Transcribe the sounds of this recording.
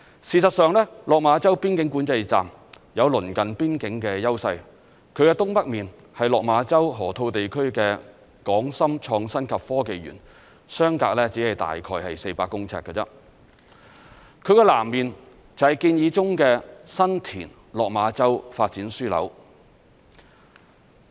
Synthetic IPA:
siː˨s̬ɐ˨t̚sœː˨ŋlɛː˥lɔː˨k̚maː˨˧˥t͡sɐ˥wpiː˥nkɪ˨˥ŋkuː˨˥nt͡sɐ˧jt͡sa̰ː˨m | jɐ˨˧wlɵ˨˩nkɐ˨npiː˥nkɪ˨˥ŋkɛː˧jɐ˥wsɐ˧j | kʰɵ˨˧ɥkɛː˧t̪ʊ˥ŋpɐ˥k̚miː˨˩n | hɐ˨jlɔː˨k̚maː˨˧˥t͡sɐ˥wɦɔː˨˩t̪ʰo˧wt̪e˨jkʰɵ˥ɥkɛː˧ | kɔː˨˥ŋsɐ˥mt͡ʃʰɔː˧ŋsɐ˥nkʰɐ˨p̚fɔː˥ke˨jɥy̰ː˨˩n | sœː˥ŋka̰ː˧˥k̚lɛː˥t͡siː˨˥hɐ˨jt̪a̰ː˨jkʰɔː˧jhɐ̰˨jse˧jpaː˧kːʊ˥ŋt͡sʰɛ̰ː˧˥kːɛ˧t͡sɛ̰˥ | kʰɵ˨˧ɥkɛː˧la̰ː˨˩mːiː˨n | t͡sɐ˨whɐ˨˩jkiː˧njiː˨˧t͡sʊ˥ŋkɛː˧sɐ˥nt̪ʰiː˨˩n | lɔː˨k̚maː˨˧t͡sɐ˥wfaː˧t̚t͡siː˨˥nsyː˥lɐ̰˨˧˥w

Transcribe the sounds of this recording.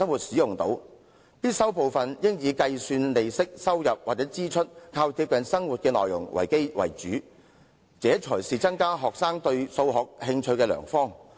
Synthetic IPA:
ɐ˥ŋwuː˨t̚siː˨˥jʊ˨ŋt̪o̰˨˥w | piː˥t̚sɐ˥wpo˨wfɐ˨njɪ˥ŋjiː˨˧kɐ˧jsyː˧nle˨˧jsɪ˥k̚sɐ˥wjɐ˨p̚waː˨t͡sɛː˨˥t͡siː˥t͡ʃʰɵ˥t̚kʰaː˧wt̪ʰiː˧p̚kɐ˨˧˥nsɐ˥ŋwu˨t̚kɛː˧lɔː˨jʊ̰˨˩ŋwʔɐ̰˨˩jke˥jwɐ̰˨˩jt͡ʃyː˨˥ | t͡sɛː˨˥t͡ʃʰɔ˨˩jsiː˨t͡sɐ˥ŋkaː˥ɦɔː˨k̚saː˥ŋt̪ɵ˧ɥso˧wɦɔː˨k̚hɪ˧ŋt͡ʃʰɵ˧ɥkɛː˧lœ̰ː˨˩ŋfɔː˥ŋ

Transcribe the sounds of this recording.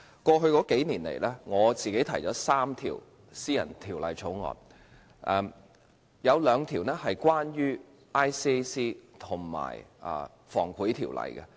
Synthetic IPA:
kʷɔː˧ɦɵ˧ɥkɔː˨˥ke˨˥jniː˨˩nlḛ˨˩jlɛː˥ŋɔː˨˧t͡siː˨ke˨˥jt̪ʰɐ˨˩jt͡sɔː˨˧˥saː˥mt̪ʰḭː˨˩w | siː˥jɐ̰˨˩nt̪ʰiː˨˩wlɐ˨jt͡sʰo˨˥wŋɔ̰ː˧n | ʔɛ˨˩m | jɐ˨˧wlœː˨˧ŋt̪ʰiː˨˩wnɛː˥hɐ˨jkwaː˥njyː˥ | ʔaː˥jsiː˥siː˥t̪ʰʊ˨˩ŋma̰ː˨˩jʔɐ̰˨˧ | fɔ̰ː˨˩ŋkʰuː˨˥jt̪ʰiː˨˩wlɐ̰˨jkɛ̰˧

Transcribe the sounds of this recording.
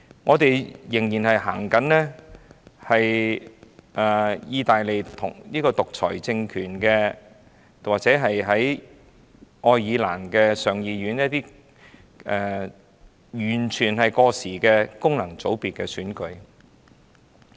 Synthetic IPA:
ŋʔɔː˨˧t̪e˨jjɪ˨˩ŋjiː˨˩nhɐ˨jɦaː˨˩ŋkɐ˨˥nlɛː˥ | hɐ˨j | ʔɛː˨˩jiː˧t̪aː˨jle˨˩jt̪ʰʊ̰˨˩ŋliː˥kɔː˧t̪ʊ˨k̚t͡sʰɔ̰ː˨˩jt͡sɪ˧ŋkʰyː˨˩nkɛ˧ | waː˨k̚t͡sɛː˨˥ɦɐ˨jɦɐ˨˥j | ʔɔː˧jjiː˨˧la̰ː˨˩nkɛː˧sœː˨ŋjiː˨˧ɥyː˨˥njɐ˥t̚t̪iː˥ | ɛ˨˧ | jyː˨˩nt͡ʃʰyː˨˩nɦɐ˨jkɔː˧siː˨˩kɛː˧kʊ˥ŋlɐ˨˩ŋt͡so˨˥wpiː˨t̚kɛː˧syː˨˥nkɵ˧ɥ

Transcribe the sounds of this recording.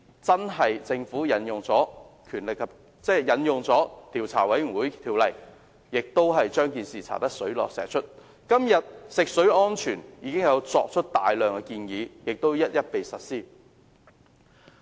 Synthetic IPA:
t͡sɐ˥nɦɐ˨jt͡sɪ˧ŋfuː˨˥jɐ˨˥njʊ˨ŋt͡sɔː˨˥kʰyː˨˩nlɪ˨kʰːɐ˨˩p̚ | t͡sɛː˥jɐ˨˥njʊ˨ŋt͡sɔː˨˥t̪ʰiː˨˩wt͡sʰaː˨˩wɐ˨˥jwuː˨˥jt̪ʰiː˨wlɐ˨˩j | jɪ˨k̚t̪o˥wɦɐ˨jt͡ʃœː˥ŋkiː˨nsiː˨t͡sʰa̰ː˨˩t̪ɐ˥ksɵ˨˥ɥlɔ̰ː˨k̚sɛ̰ː˨˩t͡ʃʰɵ˥t̚ | kɐ˥mjɐ˨t̚sɪ˨k̚sɵ˨˥ɥɔː˥nt͡ʃʰyː˨˩njiː˨˧kɪ˥ŋjɐ˨˧wt͡sɔː˧k̚t͡ʃʰɵ˥t̚t̪a̰ː˨jlœː˨ŋkɛ˧kiː˧njiː˨˧jɪ˨k̚t̪o˥wjɐ˥t̚jɐ˥t̚pe˨jsɐ˨t̚siː˥

